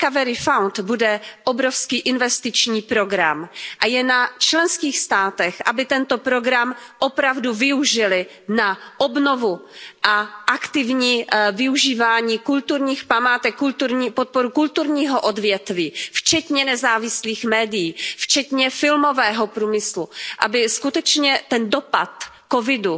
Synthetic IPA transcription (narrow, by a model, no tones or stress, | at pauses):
kavɛɾɪfawnt̪budɛʔobɾofskiːʔɪnvɛst̪ɪt͡ʃɲiːpɾo̞ɡɾa̰mʔajɛnat͡ʃlɛnskiːxst̪aːt̪ɛxʔabɪt̪ɛnt̪opɾo̞ɡɾamʔopɾavduvɪuʒɪlɪ | naʔobno̞vuʔaʔakt̪ɪvɲiːvɪuʒiːvaːɲiːkult̪uɾɲiːxpamaːt̪ɛkːult̪uɾɲiːpot̪̚poɾukult̪uɾɲiːɦoʔodvjɛt̪viːft͡ʃɛt̪ɲɛnɛzaːvɪsliːxmɛːdɪjiːft͡ʃɛt̪ɲɛfɪlmo̞vɛːɦopɾuːmɪsluʔa̰bɪskut̪ɛt͡ʃɲɛt̪ɛndo̞pat̪ | kovɪdu